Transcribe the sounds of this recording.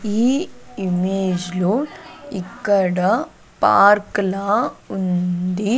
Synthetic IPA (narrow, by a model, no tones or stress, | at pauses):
iːimeːd͡ʒluikːɐɽɐ | pa̰ːɾklaːund̪i